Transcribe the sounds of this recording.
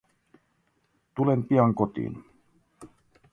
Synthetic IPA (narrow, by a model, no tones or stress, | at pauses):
t̪ulempiɑŋkot̪ḭːn